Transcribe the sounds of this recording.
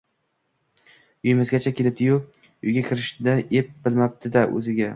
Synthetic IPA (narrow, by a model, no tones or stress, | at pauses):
ʊjɪmɪzɡʲat͡ʃʰakʲʰe̞lɪp̚d̪ɪjʊ | ʊjɡʲakʲʰɪɾɪʃd̪aʔep̚bɪlmap̚d̪ɪd̪aʔɵ̰zɪɡʲa